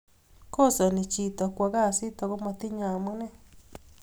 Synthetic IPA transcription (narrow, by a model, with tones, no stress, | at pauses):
ko˦˨sa˨nĩ˧t͡ʃi˧˨t̪o˧kʷa˧ɣa˦˨si˦t̪o˧ɣo˦mã˧t̪i˦ɲã˨mɨ̃˦nẽ˦